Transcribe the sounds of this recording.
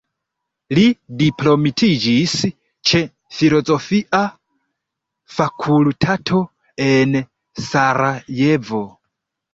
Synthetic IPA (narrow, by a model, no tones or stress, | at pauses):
lidiplomitʰid͡ʒis | t͡ʃʰe | filozofiʔa | fakʰultʰatʰo | en | saɾajevo